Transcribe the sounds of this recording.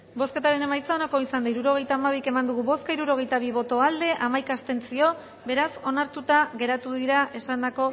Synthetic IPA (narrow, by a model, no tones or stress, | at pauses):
bo̞ske̞t̪aɾe̞ne̞majt͡sao̞nako̞isand̪aiɾuɾo̞ɣe̞jt̪aːmaβ̞ike̞mand̪uɣuβo̞skaiɾuɾo̞ɣ̞e̞jt̪aβ̞iβ̞o̞t̪o̞ald̪e̞ʔamajkast̪e̞nt͡sio̞ | be̞ɾaso̞naɾt̪ut̪aɣe̞ɾat̪uðiɾaʔe̞sand̪ako̞